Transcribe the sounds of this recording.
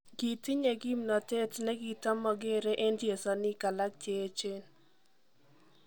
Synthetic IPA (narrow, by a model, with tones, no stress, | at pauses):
ɡi˨ti˦ɲe˨ɡi˦mnɔ˨te˦tnɛ˦ɡi˨tɔ˦mɔ˨ɡe˦ɾe˦ʔe˦nd͡ʒe˨sɔ˨ni˦ka˨la˦k̚t͡ʃe˨˦t͡ʃe˦n